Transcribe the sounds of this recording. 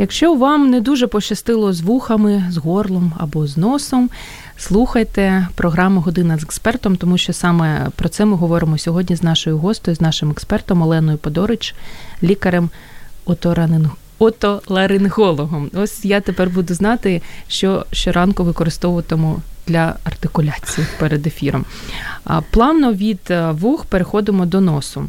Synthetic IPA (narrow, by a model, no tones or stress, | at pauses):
jɐkʃt͡ʃɔʋɑmned̪uʒɛpɔt͡ʃɐst̪ɪlˠɔzʋuxɐmɪzɦɔrlˠɔmɐ̰bɔznɔsɔm | slˠuxɐjt̪ɛpɾɔɦɾɑmʊɦɔd̪ɪnɐzekspɛrt̪ɔmt̪ɔmuʃt͡ʃɔsɑmɛpɾɔtsɛmɪɦɔʋɔɾɪmɔsʲɔɦɔdʲnʲiznɑʃɔjʊɦɔst̪ɔjiznɑʃɪmɛkspɛrt̪ɔmɔlˠɛnɔjʊpɔd̪ɔɾɪt͡ʃlʲikɐɾɛm | ɔt̪ɔlˠɐɾɪnɦɔlˠɔɦɔmɔsʲjat̪epɛrbud̪ʊznɑt̪ɪʃt͡ʃɔʃt͡ʃɔɾɑnkʊʋɪkɔɾɪst̪ɔʋʊʋɐt̪ɔmʊd̪̥lʲɐɐrt̪ɪkʊlʲat͡sʲijipeɾed̪efʲiɾɔ̰m | plˠɑʋnɔʋʲid̪ʋuxpeɾexɔd̪ɪmɔd̪ɔnɔsʊ